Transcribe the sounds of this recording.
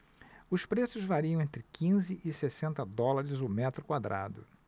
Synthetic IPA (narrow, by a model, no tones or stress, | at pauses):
ʊspɾesʊzvaɾiɐ̃w̃ẽnt̪ɾɪkʰĩzɪʔɪsesẽnt̪ɐd̪ɔlaɾɪzʊmɛt̪ɾʊkwad̪ɾʔa̰d̪ʊ̰